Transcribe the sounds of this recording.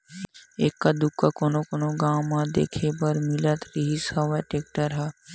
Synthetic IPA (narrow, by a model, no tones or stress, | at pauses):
eːkːad̪ʊkːakoːnokoːnoɡaːwmãd̪ḛːkʰepɐɾmɪlət̪ɾiɦisaʋɛʈeːk̚ʈəɾɦɛ